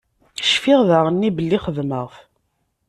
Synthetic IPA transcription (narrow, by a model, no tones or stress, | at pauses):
ʃfɪʁðæʁənːibəlːiχəðməʁf